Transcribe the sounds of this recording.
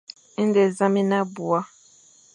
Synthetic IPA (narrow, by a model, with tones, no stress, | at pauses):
i˦n˦de˨zã˦mi˦na˦bu˨a˦